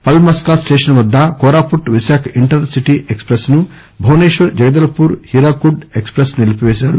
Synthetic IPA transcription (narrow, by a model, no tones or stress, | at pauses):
pɐlmɐskaːsʈeːʂɐnʋɐd̪ːakoːɾaːpuʈːʋiʃaːkʰɐiɳʈɐɾnsiʈiʔekspɾɐsnu | bʱɐwneːʃʋɐɾd͡ʒɐɡɐd̪ɐlɐpuːɾhiɾaːkuɖekspɾɐsnilipiʋɛːʃaːɾu